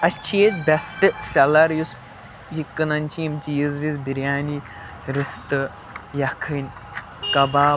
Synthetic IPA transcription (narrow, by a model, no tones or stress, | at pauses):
ɐt͡ʃʰeːt̪bʲɛsʈɨsɐlɐɾjus | jikːɨnɐnʲt͡ʃʰijimt͡ʃijizʋizbiɾʲjaːni | ɾist̪ɨ | jɐkʰɨn | kɐbaː